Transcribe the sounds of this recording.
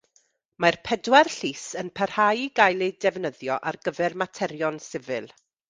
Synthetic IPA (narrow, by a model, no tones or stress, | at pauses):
marpʰɛdwarɬiːsənpʰər̥hajɡajlˠedɛvnəðjɔʔarɡəvɛrmatʰɛɾjɔnsɪvɨlˠ